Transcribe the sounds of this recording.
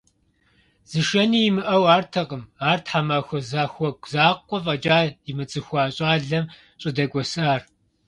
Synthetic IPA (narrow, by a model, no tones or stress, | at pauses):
z̥ɨʃɐniːjɪmɨʔɐwaːrtʰɐqəmaːrtʰħamɐxʷɔzaːxʷɔɡʷzaːqʷːɔfʼɐd͡ʒʼaːjɪmɨt͡sʼɨxʷɑːɕʼaːɮɐm | ɕʼɪdɐɡʷɔsaːr